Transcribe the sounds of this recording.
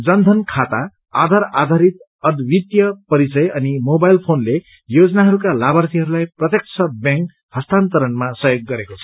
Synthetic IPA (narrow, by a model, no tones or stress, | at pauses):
d͡zʌnd̪ʱʌnkʰat̪a | a̰d̪ʱaɾad̪ʱaɾit̪̚ | ʌd̪bit̪jʌpʌɾit͡sʌjʌnimobajlpʰonle | jod͡zʌnaɦʌɾukalabʌrt̪iɦʌɾulajprʌt̪jek̚t͡sʰʌbjãŋk | hʌst̪ant̪ʌɾʌnmasʌjoɡːʌɾekot͡sʰʌ̥